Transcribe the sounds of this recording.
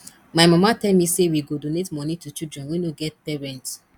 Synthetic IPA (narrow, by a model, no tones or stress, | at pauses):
maɪmamatɛlmisewiɡodonetmɔnitut͡ʃidɹɛ̃nwinoɡɛt̚pɛɹɛ̃nt